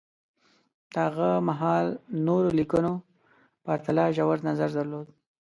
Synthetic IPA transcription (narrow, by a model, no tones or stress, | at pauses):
d̪̥əhaɣamaɦɑlnoɾolikuno | paɾt̪alɑʒawaɾd̪nazaɾd̪aɾlod̪